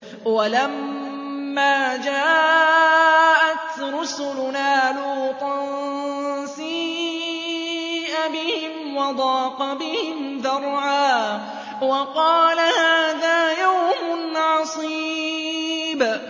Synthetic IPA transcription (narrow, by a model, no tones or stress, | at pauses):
walamː | aːd͡ʒaː | ʔat̪ɾʊsʊlʊnaːluːt̪ˤɑn | siː | ʔabɪhɪmwɑd̪ˤɑːqɑbɪhɪmðɑɾˤʕaː | wɑqɑːlahaːðaːjawmʊnʕɑsˤiː | b